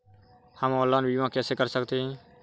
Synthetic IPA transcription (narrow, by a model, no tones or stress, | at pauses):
həmɔːlːanbiːmãkɛːsekəɾsəkt̪eɦɛ̃ː